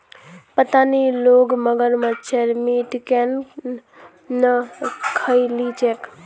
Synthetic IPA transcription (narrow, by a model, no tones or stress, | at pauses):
pət̪aniloɡməɡəɾmət͡ʃʰeɾmiʈken | nəkʰəjlit͡ʃʰek